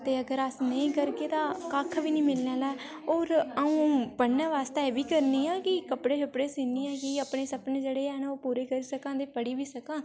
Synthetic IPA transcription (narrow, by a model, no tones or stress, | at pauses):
t̪eːəɡəɾəsnəĩːkəɾkeːt̪ãːkaːkʰbiːnĩːmɪlnãːlaːe | oːɾəũːbəɽnãːʋaːst̪eɛːbiːkəɾniːãːkɪkəpɽeːkəpɽeːsiːniːɛ̃ːkɪəpɳeːsəpneːd͡ʒeːɽeːɛːnːoːpuːɾeːkəɾiːsəkãːd̪eːpəɽiːʋiːsəkãː